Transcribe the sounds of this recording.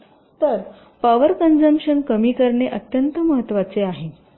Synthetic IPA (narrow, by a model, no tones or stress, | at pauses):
t̪əɾ | paʋəɾkənd͡zəmpɕənkəmiːkəɾɳeʔət̪jənt̪əməɦət̪ːʋat͡seaɦe